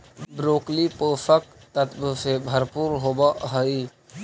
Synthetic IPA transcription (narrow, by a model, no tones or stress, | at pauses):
bɾoːklipəːfək̚t̪ɐt̪bəsebʱɐɾpuːɾɦoːbaʔɦəi